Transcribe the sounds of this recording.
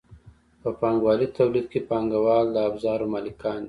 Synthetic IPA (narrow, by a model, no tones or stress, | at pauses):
pəpɑŋɡwɑlit̪awlid̪̚kepɑŋɡawɑld̪əabzɑɾomalɪkʰɑnd̪i